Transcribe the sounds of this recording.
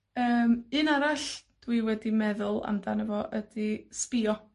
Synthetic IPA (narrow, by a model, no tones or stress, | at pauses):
əːmɨnaɾaɬd̥wiwɛdimɛðʊlˠa̰mdanəvɔʔəd̥ispɪɔ